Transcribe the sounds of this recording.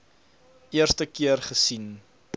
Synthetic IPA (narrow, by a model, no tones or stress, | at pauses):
ʔiərstəkiərχəsin